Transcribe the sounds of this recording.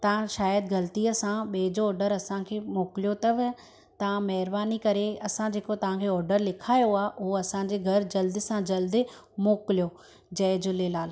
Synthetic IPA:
t̪ɐʋ̤ãʃaːjəd̪̚ɡɐlt̪iːəsãɓeːd͡ʑoːɾɖəɾɐsãkʰeːmoːkɪlijot̪ɐʋ | t̪ɐʋ̤ãmɐɦɪɾbaːnikɐɾeɐsãd͡ʑeːkot̪ɐʋ̤ãkʰeːɔːɾɖəɾlɪkʰaːjoaːʔʊɦoɐsãːɲ̆d͡ʑeɡʱɐɾd͡ʑɐld̪ɪ̆sãd͡ʑɐld̪ɪ | moːkɪlijo | d͡ʑɐːɪd͡ʑʊlelaːl

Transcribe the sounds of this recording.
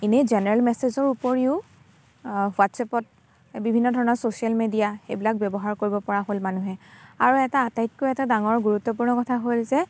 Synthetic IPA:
inezɛnɛɹɛlmɛsezɔɹupoɹiʊ | watsɛpɔt̚ | bibʱinːɔdʱɔɹɔnɔsosialmedijaxḛjbilak̚bjɔbɔɦaɹkoɹibɔpɔɹaɦolmanuɦɛaɹuɛtaːtajt̚kojɛtadaŋɔɹɡuɹutːɔp̬uɹnɔkɔtʰaɦojlzɛ

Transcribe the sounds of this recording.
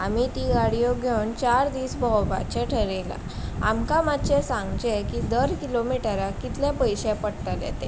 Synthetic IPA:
amit̪iɡaɽijɔɡʱewnt͡ɕaɾd̪iːsbʱɔwba̰t͡ɕeʈʰəɾela̰ | a̰mkamat̪ːt͡ɕesãŋɡt͡ɕekid̪əɾkilomiʈaɾakit̪lɛ̃pəjɕɛ̃pəɽt̪əljɛ̰t̪e

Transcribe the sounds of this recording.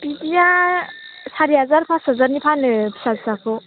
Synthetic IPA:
bidija | saɾiɦazaɾpʰasɦazaɾnipʰanɯbʰi̥sazsakʰɔ

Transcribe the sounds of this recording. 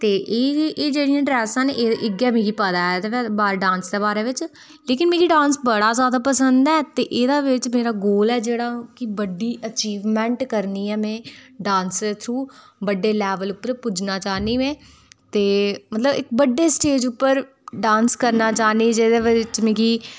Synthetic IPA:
t̪eːʔeːeːd͡ʒeːɽijãːɖɾɛːsãːneʔɪɡɛːmĩːɡiːpəd̪aːɛːd̪eːɛbaːɾɖãːnsd̪eːbaːɾeːʋɪt͡ʃ | leːkɪnmẽːkiːɖãːnsbəɽaːzjaːd̪aːpəsənd̪ɛːt̪eːʔeːd̪aːʋɪt͡ʃmeːɾaːɡoːlɛːd͡ʒeːɽaːkɪbəɖiːʔət͡ʃiːʋmɛ̃ːɳʈkəɾniːɛːmɛ̃ːɖãːnst̪ʰɾuː | bəɖːeːlɛːʋəlʊpːəɾpʊd͡ʒnaːt͡ʃaːniːʋɛ̃ː | t̪eːmət̪ləbɪk̚bəɖːeːsʈeːd͡ʒʊpːəɾ | ɖãːnskəɾnaːt͡ʃaːniːd͡ʒeːd̪eːʋɪt͡ʃmẽːkiː

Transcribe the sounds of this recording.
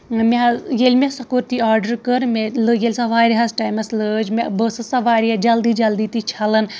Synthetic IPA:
mejelʲmʲesɐkoɾt̪iaːɾɖəɾkəɾmelɨjelʲsɐʋaːɾiɦɐsʈaːjmɐsləd͡ʒmebəsɨsɐʋaːɾiad͡ʒɐld̪iːd͡ʒɐld̪iːt̪it͡ʃʰɐlɐn

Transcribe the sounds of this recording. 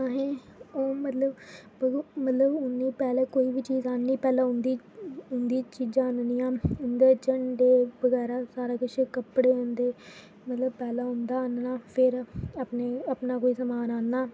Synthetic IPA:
aɦẽː | oːmət̪ləb | əmət̪ləbʊnːiːpɛːlãːkoːiːʋiːt͡ʃiːzaːnːiːpɛːlãːɦʊnd̪iː | ʊnd̪iːt͡ʃiːd͡ʒãːənniːãːʊnd̪eːt͡ʃəɳɖeːbəɡɛːɾaːsaːɾaːkət͡ʃʰkəpːɽeːõnd̪eː | mət̪ləbpɛːlãːɦʊnd̪aːnnaːpʰɪɾaːpneːapnaːkoːiːsəmaːnaːnːaː

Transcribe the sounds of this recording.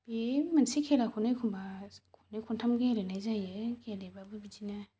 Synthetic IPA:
b̥emansikʰelakʰunɯjkʰumbakʰunɯkʰuntʰamɡeɾɯnajzajɯkedebabɯbid͡ʒina

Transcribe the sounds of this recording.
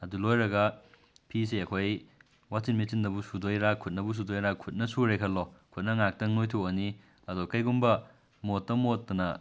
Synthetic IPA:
ɐdulojɾɐɡɐ | pʰis̬eɐkʰoj | wasinmit͡ʃindɐbusudojɾakʰut̚nɐbus̬udojɾakʰut̚nɐsuɾekʰɐlːɔkʰut̚nɐŋak̚tɐŋnojtʰuɐni | ɐdokɐjɡumbɐ | motːɐmot̚tɐnɐ

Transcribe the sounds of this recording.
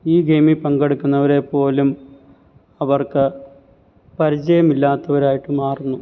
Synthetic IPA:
iːɡemipɐŋɡeɽukʲːunːɐʋɐɾe̞pːo̞ːlum | ɐʋɐrkɨ | pɐɾit͡ɕɐjɐmilːaːt̪ːɐʋɐɾaːjiʈːɨmaːrunːu

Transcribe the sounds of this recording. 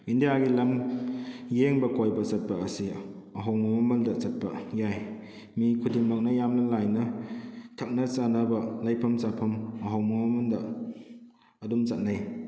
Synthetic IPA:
indijaɡilɐm | jeŋbɐkojbɐsɐt̚pɐɐsi | ɐɦawmɐmɐmɐldɐsɐt̚pɐ̰jaj | mikʰudiŋmɐk̚nɐjamnɐlajnɐtʰɐk̚nɐt͡ʃanɐbɐlajpʰɐmsapʰɐmɐɦawmɐmɐmɐldɐ | ɐdumt͡ʃat̚naj

